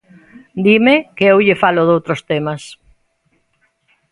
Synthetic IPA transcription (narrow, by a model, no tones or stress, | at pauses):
d̪imɪkeewʎɪfalʊðowt̪ɾost̪emɐs